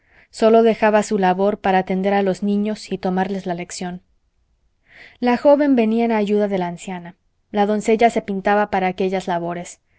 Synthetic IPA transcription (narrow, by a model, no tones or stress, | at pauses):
so̞lo̞ðe̞xaβasulaβo̞ɾpaɾaːt̪e̞nd̪e̞ɾalo̞znĩɲo̞sit̪o̞maɾle̞zlale̞ksjo̞n | laxo̞βe̞mbe̞niaenaːʝuðaðe̞laːnsjana | laðo̞nse̞ʝase̞pint̪aβapaɾaːke̞ʝazlaβo̞ɾe̞s